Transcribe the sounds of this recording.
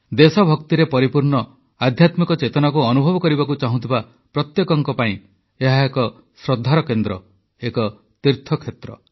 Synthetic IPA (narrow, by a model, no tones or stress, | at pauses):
d̪esɔbʱɔkt̪iɾepɔɾipuɾɳɔ | ad̪ʱjat̪mikɔt͡ʃet̪ɔnakuɔnubʱɔbɔkɔɾibakut͡ʃaɦũt̪ʰiba | pɾɔt̪jekɔŋkɔpaĩ | eɦaekɔ | sɾɔd̪ʱːaɾɔkend̪ɾɔ | ekɔ | t̪iɾt̪ʰɔkʰet̪ɾɔ̰